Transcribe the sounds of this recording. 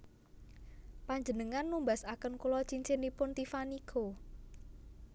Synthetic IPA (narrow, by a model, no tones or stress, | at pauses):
paɲd͡ʒənəŋanːumbasakənkulɔt͡ʃiɲt͡ʃenipʊnt̪ifanikʰo